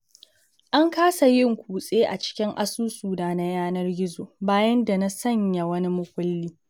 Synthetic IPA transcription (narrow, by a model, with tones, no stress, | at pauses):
ʔa˦ŋkaː˦sa˨jɪ˦ŋkʷuː˨sʼeː˦ʔa̰˨t͡ʃɪ̥˦kʲɪ˦ŋʔa˦suː˦suː˨daː˨na˦jaː˦nɐ˦rɡʲɪ˦zoː˨baː˦jɐ˦nda˨na˦sɐ˦ɲja˨wɐ˦ni˦mʊ˦kʷʊ˦lːiː˦